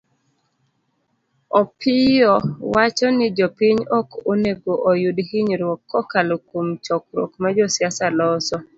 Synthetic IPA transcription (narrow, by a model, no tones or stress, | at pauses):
ɔpʰɪjɔwat͡ʃɔnɪd͡ʒɔpɪɲɔkoneɡoʔɔjudhɪɲɾwɔkʰːɔkalokomt͡ʃɔk̚ɾɔ̰kmad͡ʒɔsjasalɔsɔ